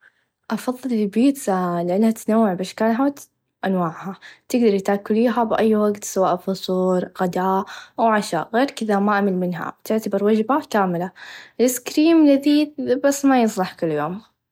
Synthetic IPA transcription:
ʔɑfɑðˤːɨlɪbiːt̪lɪʔanːhat̪nawːɪʕbɪʃkaːnɦaːt̪ | ʔanwaːʕhat̪ɪɡd̪ɑɾˤjɪt̪akːʊliːɦabʔajːwaɡt̪sawaːʔfʊsˤuːɾɣad̪aːʔawʕaʃa̰ːɣeːɾkɪðamaʔamɪlmɪnɦa̰bt̪ɪʕt̪abɪɾwad͡ʒbakaːmɪlalɪskɾiːmlɪðiːbasːmajɨsˤlɑħkɪlːjoːm

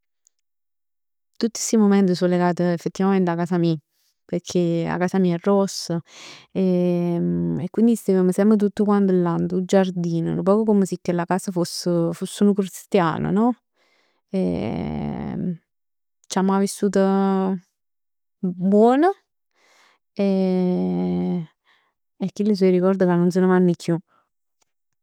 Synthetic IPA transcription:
t̪ut̪ːi̥simomɛnt̪əs̬olːeɡaːt̪əefːet̪ːivament̪eakːaːsami | peɾkʰela̰kaːsamiːaɛrːɔsːəe | ekːwind̪ist̪eveməsɛmpɾət̪̬ut̪ːəkwant̪elːant̪ud͡ʒard̪iːnə̰p̬ɔːkokoməsikːelakaːsəfosːəfosːunukɾist̪ja̰ːnə̰nɔ | ḛ | t͡ʃamːajvisːuːt̪ə | bwɔːnə | e | ekːilːəs̬ɔjɾikɔrd̪əkanːons̬ənemanːikju

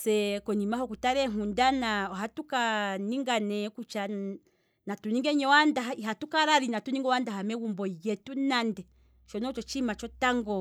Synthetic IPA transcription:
sɛkɔnimaɦɔkutaɾɛŋundanaɔɦatukaniŋɡanɛkut͡ʃa | natuniŋɡɛɲɔwandaɦaiɦatukaɾaɾinatuniŋɡɔwandaɦamɛwumbɔjɛtunandɛ | t͡ʃɔnɔt͡ʃɔt͡ʃimat͡ʃɔtaŋɡɔ

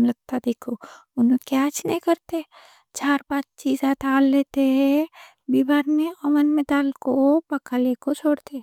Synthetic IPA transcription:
mlɐɡ̚t̪ad̪eːkʰo | ʊnõkjaːt͡ʃneĩkəɾt̪e | t͡ʃaːɾbaːd̪̚t͡ʃiːzaːt̪ʰaːlːeːt̪eɦɛ̃ | bibaːɾneɔmənmed̪aːlkopɐkaleːkot͡ʃʰoːɽt̪e

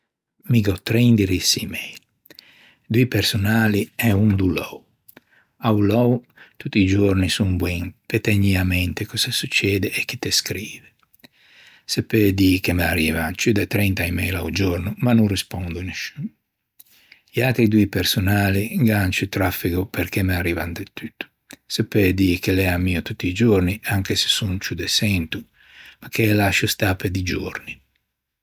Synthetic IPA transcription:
miɡɔt̪ɾɛnd̪iɾisimɛjl | d̪uipeɾsunaːliɛund̪ulɔw | awlɔw | t̪ut̪ːid͡ʒoɾnisuŋbwɛŋpet̪ɛɲiamɛnt̪ekɔsasut͡ʃːɛːd̪eʔek̟ːit̪ːeskɾiːve | sepːed̪ikemaɾivant͡ʃyd̪ɛt̪ɾɛnt̪aimɛjla̰wd͡ʒoɾnumanːurispɔnd̪uneʃun | jakeid̪uipersonaːliŋɡant͡ʃut̪ɾafːikupeɾkemearivand̪et̪ːyt̪ːu̥ | sepːed̪ikelɛamːiːot̪ut̪ːiːd͡ʒorniʔaŋkese̥sunt͡ʃud̪esɛnt̪u | makːelaʃust̪aped̪id͡ʒorni

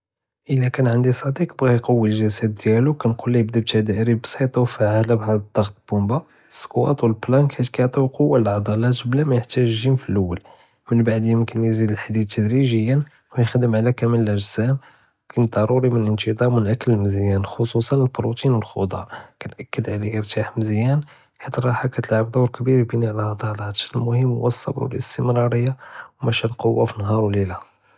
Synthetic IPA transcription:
ʔəlːækænʕənd̪isˤɑd̪iqbɣijqɑwːilʒæsæd̪̚ːjælukænqulːijəbd̪ib̚t̪æd̪æʔɾibsˤit̪ˤɑwfaʕalæbɦæd̪əd̪ˤːɑɣt̪̚bumba | əsːkwɑ̰t̪ˤwəlblɑnkhæt̪kæjʕt̪ˤiwqowːalaʕd̪ˤɑlæt̪blæmæjəħt̪æʒʒimfilʔəwːəl | mənbaʕd̪jəmkənjzid̪əlħad̪id̪̚t̪ʰːəd̪ɾiʒəjːən | wjxd̪əmʕlækæməlːæʒzæm | wkænd̪ˤɑɾˤuɾimənənt̪id̪ˤɑɾmwənʕakːəlməzjænxosˤusˤɑnəlbɾut̪inwəlxo̰d̪ˤɑ̰kænʔækːəd̪ʕlaʔəɾt̪ʰaħməzjæn | ħit̪rˤɑħakæt̪əlʕabd̪ˤɑwɾkbiɾbiniʕəlʕɑd̪ˤɑlɑt̪lmʊhəmːwəsˤːɑ̰bɾwəlʔəst̪əmɾɑɾəjːawmæʃælqowːafinɦɑɾwlilæ

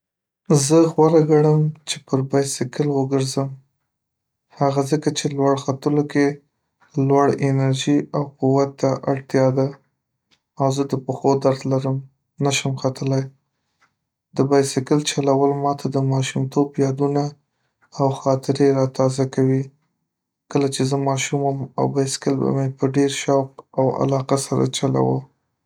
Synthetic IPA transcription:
zəxwaɾaɡaɽəmt͡ʃepəɾbɑjsɪkəlwəɡəɾzəm | haɣazəkat͡ʃelwaɽxat̪əloke | lwaɽɪnaɾʒiawquwat̪ːaʔaɽt̪jɑd̪a | awzəd̪əpəxod̪aɾd̪laɾəm | naʃəmxat̪əlaj | d̪əbɑjsɪkəlt͡ʃalawəlmɑt̪ʰad̪əmɑʃumt̪objɑd̪unaː | wxɑt̪ɪɾeɾɑt̪ɑzakawi | kəlat͡ʃezəmɑʃuməma̰wbɑjsɪ̥kəlba̰mepəɖeɾʃɑp̚awa̰lɑqasaɾa̰t͡ʃala̰wə̰w

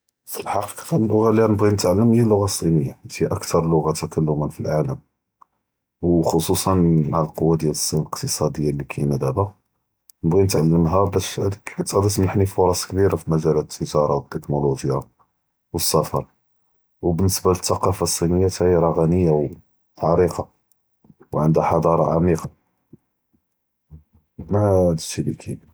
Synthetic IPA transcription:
fəlħɑqi̥qfælːʊɣaliænəbɣinət̪ʕalːəmjælːʊɣasˤːinəjːat̪iʔækt̪ʰɑɾˤlʊɣat̪ækælːʊmənfilʕaləm | wxosˤusˤɑnmaʕəlqowːad̪jæləsˤːiləqt̪əsˤɑd̪əjːalːikʰæjnæd̪æbæ | nəbɣinət̪ʕalːəmɦæbæʃhæd̪əkħt̪æd̪æs̬maħnifʊɾˤɑskbiɾafimæʒælæt̪ʔəʒɑɾˤɑwət̪ːəknoloʒja | wəsːæfɑ̰ɾˤ | wbənːəsbalət̪ːɑqɑfasˤːinəjːat̪æiəɾɑɣænəjːaw | t̪ʕɑɾiqɑ | wʕənd̪æħɑd̪ˤɑɾˤɑ̰ʕamiqɑ | mæd̪əʃibḭkʰi

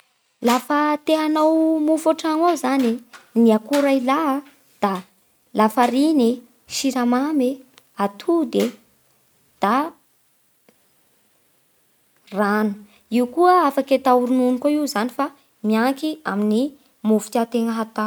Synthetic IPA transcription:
lafət̪eɦanawmufoʈ͡ʂaŋawzaniniakuɾaila | d̪̥a | lafaɾini | ʃiɾamame | at̪ʰud̪e | d̪̥a | ranu̥ | iwkuəafaket̪auɾununikoiwzanifa | miaŋkiamini | mufi̥t̪at̪eŋəɦat̪a

